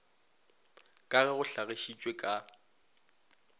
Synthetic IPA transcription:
kʼaɣɛɣʊɬaɣeʃit͡ʃʼwekʼa

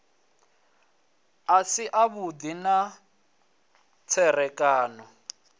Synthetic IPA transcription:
asiʔaβud̪ina | t͡sʰɛrɛkʼaːnɔ

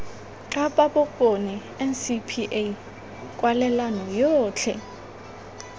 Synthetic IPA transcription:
ǁaɓʼaɓɔkʼonɛ | ɛnsipʰiʔe | kʼwalɛlanɔjɔːt͡ɬʰɛ̰

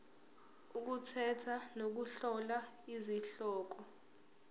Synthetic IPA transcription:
uk̬utʰɛtʰanok̬uɬɔla | iziɬɔːk̬ɔ

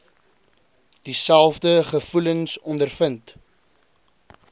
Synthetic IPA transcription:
d̥isælˠfdəχəfuləŋsɔndərfənt

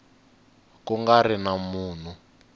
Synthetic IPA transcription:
kuŋɡarinamuːn̤u

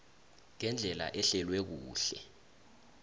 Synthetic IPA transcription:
ŋɛnd͡ɮʱɛla̰ʔɛɬɛlwɛk̬uːɬɛ

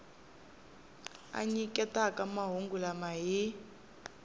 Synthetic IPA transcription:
a̰ɲikʼɛtakamaɦuŋɡulamaɦi

